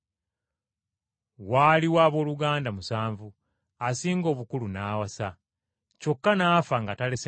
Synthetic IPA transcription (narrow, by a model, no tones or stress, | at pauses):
waːliwaːβo̞ːluɡaːndamusaːɱvu | asiːŋɡo̞ːβukulunaːwasa | co̞kːanaːfaŋɡatale̞s